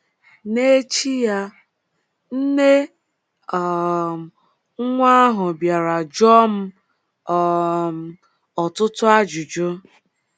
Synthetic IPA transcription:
ne˦t͡ʃi˦ja˦ | n̩˦ne˦ | ɔ˨˦ | ŋʷa˦ɦʊ˨bja˨ɾa˨d͡ʒɔ˦m̩˦˨ | ɔ˨tʊ˦tʊ˦a˦d͡ʒu˨d͡ʒo˦

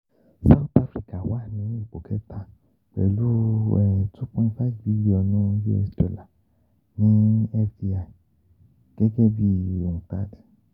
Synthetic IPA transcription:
sa˦u˦t̪a˦fɾi˦ka˨wa˦˨nĩ˨˦i˦˨k͡po˨kʰɛ˦tʰa˦˨ | k͡pɛ̰˨lu˦ɛ˨tu˦pũ˦nfa˦fbi˦li˨ɔ˧˨nũ˦jḭ˦ɛ̰˧˨sto˨la˨ | nĩ˦ɛ˦fdi˦a˨ | ɡ̥ɛ˦ɡɛ˦bi˦˨ɔ̃˨ŋ˨ta̰˦d

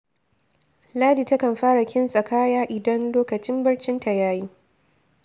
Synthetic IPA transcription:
laː˦diː˨tɐ˦kɐ˨mɸaː˦ɽa˨kʲɪ˦nsʼɐ˨kʰaː˦jaː˦ʔɪ˨dɐ˦nloː˦kɐ˨t͡ʃɪ˦mbɐ˦rt͡ʃɪ˦nta˨jaː˦jiː˦

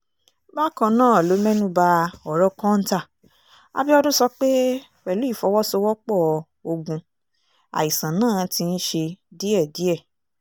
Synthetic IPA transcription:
ba˦kɔ̃˧nãː˦˨lo˨˦mɛ̃˦nũ˦ba˧ɔ˨ɾɔ˨˦kɔ̃˦n̩˦ta˦˨ | a̰˧bi˦ɔ˦dũ˦sɔ˧k͡pe˦ | wɛ˨lu˨˦i˦˨fɔ˧˦wɔ˦sɔ˧wɔ˦k͡pɔ˦˨˧ | o˧ɡũ˧ | a̰˨i˨sã˨nãː˦˨tĩ˧n̩˦ʃe˧di˨˦ɛ˦˨di˨˦ɛ˦˨

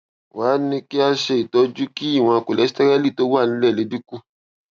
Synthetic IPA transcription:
waː˨˦nĩ˧ki˦a˧ʃe˧i˨tɔ˨˧d͡ʒu˦ki˦i˦˨w̃ɔ̃˧a˧ko˨lɛ˨˦si˦tɛ˦ɾɛ˦li˦˨to˨˦wa˦˨nĩ˨˦lɛ˦˨le˨˦du˦ku˦

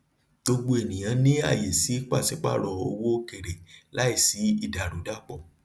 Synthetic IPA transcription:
ɡ͡bo˧ɡ͡bo˧e˨nĩ˨j̃ã˨˧nĩ˦a̰˦˨je˨si˨˦k͡pa˦˨sɛ˨˦k͡pa̰˦˨ɾɔ˧˨o˧wo˦ke˨ɾe˨la˨˦i˦˨si˨˦i˧da˨ɾo˨˦da˦˨k͡pɔ˨

